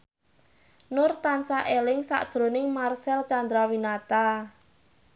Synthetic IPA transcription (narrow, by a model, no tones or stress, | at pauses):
nʊrt̪ansaʔelɪŋsa̰ʔd̥ʒ̥ɾo̤nɪŋmarsɛlt͡ʃand̪ɾawinat̪a